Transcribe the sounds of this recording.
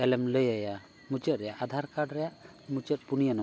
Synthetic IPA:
ɛlɛmləjaja | mut͡ʃət̪̚ɾɛjaʔad̪ʱaɾkaɖɾɛjaʔ | mut͡ʃət̪̚punijanɔ

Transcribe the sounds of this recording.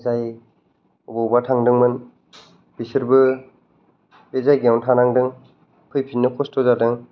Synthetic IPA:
zaj | ɔbɔwbatʰaŋdɯŋmɯn | b̥isɯɾbɯ | b̥ezajɡiawntʰanaŋdɯŋ | pʰɯjpʰinnːɯkʰɔstʰɔzadɯŋ

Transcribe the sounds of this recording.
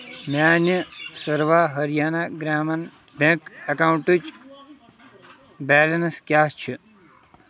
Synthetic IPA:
maːnəsəɾʋaːɦɐɾjaːnaɡɾaːmɐn | bẽkɐkaːwũɳʈut͡ʃ | baːlɐnskʲjaːst͡ʃʰi

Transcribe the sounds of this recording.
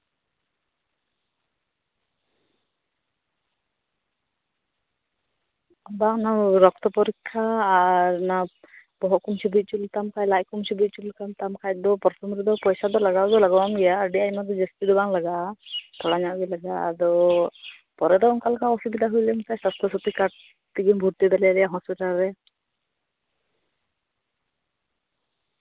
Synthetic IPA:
baŋnaɾɔkt̪ɔpɔɾikʰːaːɾna | pɔɦɔkumsibut̪̚ˀt͡ʃult̪amkajlajkumsibit̪̚t͡ʃulkamt̪amkʰaj̚d̪ɔpɔɾt̪ʰɔmɾid̪ɔpɔjsad̪ɔlaɡawd̪ɔlaɡawamɡɛjaəɖiamad̪ɔd͡ʒəst̪id̪ɔbaŋlaɡat̪ʰɔlaɲaʔɡilaɡa̰d̪ɔ | pɔɾɛd̪ɔɔnkalkaɔsubid̪aɦujlɛmkajsast̪ʰɔsut̪ikaʈ | t̪iɡimbʱuɾt̪id̪aljaɾɛjaɦɔspiʈalɾɛ

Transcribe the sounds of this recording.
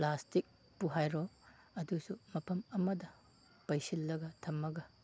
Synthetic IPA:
plastik̚ | puɦajɾo | ɐdusumɐpʰɐmɐmɐdɐ | pɐjsilːɐɡɐtʰɐmːɐɡɐ

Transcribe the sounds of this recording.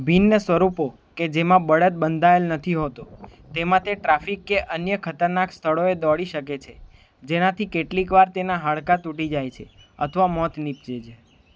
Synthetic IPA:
bʱinːəsʋəɾupo | ked͡ʒemãbəɽət̪̚bənd̪ʱaelnət̪ʰiɦot̪ot̪emãt̪ʰeʈɾafikːeʔənjəkʰət̪əɾnakst̪ʰəɭoed̪ɔɭiʃəket͡ʃʰe | d͡ʒenat̪ʰikeʈlikʋaɾt̪enaɦaɭkat̪uʈid͡ʒajt͡ʃʰeə̰t̪ʰəʋamɔt̪nip̚t͡ʃed͡ʒʰe

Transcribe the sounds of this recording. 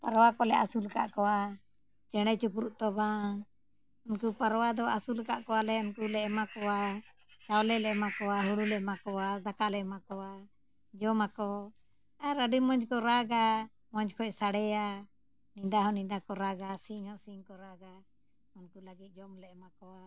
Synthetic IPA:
paɾwakɔlɛʔasulka̰ʔkɔwa | t͡ʃɛɽ̃ɛt͡ʃupɾuʔt̪ɔbã | unkupaɾwad̪ɔʔasulkaʔkɔwalɛɔnkulɛʔmakɔwa | t͡ʃawlɛlɛʔmakɔwaɦuɽulɛmakɔwazakalɛmakɔwa | d͡ʒɔmakɔ | aɾaɖimɔɲd͡ʒkɔɾaɡa | mɔɲd͡ʒkʰɔʔsaɽɛja | nid̪aɦɔnid̪akɔɾaɡasiɲɔʔsiŋkɔɾaɡa | unkuləɡit̪̚ˀd͡ʒɔmlɛʔmakɔa

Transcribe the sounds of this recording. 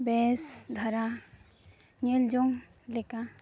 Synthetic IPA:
bɛsd̪ʱaɾa | ɲeld͡ʒɔŋ | lɛka

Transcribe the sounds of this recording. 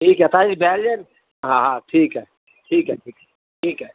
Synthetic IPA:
ʈʰiːkɦɛt̪aibʱɛːld͡ʒən | ɦãɦãʈʰiːkɦɛ | ʈʰiːkɦɛ̰ʈʰiːkɦɛ | ʈʰiːkɦɛ

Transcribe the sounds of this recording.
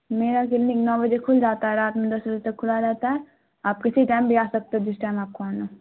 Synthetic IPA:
meːɾakɪlnɪknɔːbɐd͡ʒekʰʊld͡ʒaːt̪aɦɛɾaːt̪mẽd̪ɐsbɐd͡ʒet̪ɐkʰːʊlad͡ʒaːt̪aɦɛ | aːp̚kesiiʈaːɪmbʱiaːsɐk̚t̪eɦɛ̃d͡ʒɪsʈaːɪmaːp̚koana

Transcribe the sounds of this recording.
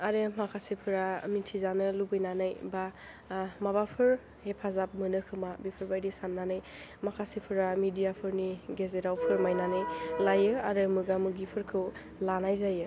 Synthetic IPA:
aɾɯmakʰasipʰɯɾamitʰizanɯlubɯjnanɯjba | mabapʰɯɾ | hepʰazap̚mɯnɯkʰɯmabipʰɯɾbajdisanːanɯj | makʰasipʰɯɾamidijapʰɯɾniɡezeɾawpʰɯɾmajnanɯjlajɯaɾɯmɯɡamɯɡipʰɯɾkʰɯw | lanajzajɯ

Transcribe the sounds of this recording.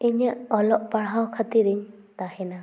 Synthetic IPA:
iɲjaʔɔlɔʔpaɽɦawkʰat̪iɾiɲ | t̪ahɛna

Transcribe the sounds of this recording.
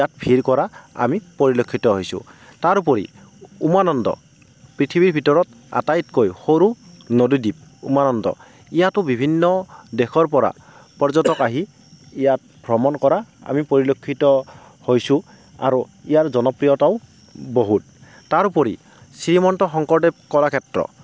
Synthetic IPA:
ijatpʰiɹkɔɾaa̰mipɔɹilokʰːitɔɦojsʊ̰̃taɹupɔɹḭ | umanɔndɔ̰ | pɹitʰibiɹbʱitɔɹɔt | a̰tajitkojxoɾu | nodudip̚ṵmanɔndɔ̰ | ijatʊbibʱinːɔdexʰɔɹpɔɹa̰ | pɔɹzɔtɔkaɦiː | jat̚ | bʱɹɔmɔnkɔɾaa̰mipoɹilokʰːitɔ | hojsũ | a̰ɾuijaɹzɔnɔpɹijɔtaʊ | boɦut̚ː | aɹupɔɹi | siɹimɔntɔxɔŋkɔɹdɛkɔɹakʰɛtɹɔ̰

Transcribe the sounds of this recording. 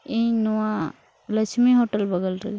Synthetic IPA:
ĩnua | lət͡ʃʰmiɦoʈəlbəɡəlɾə̰

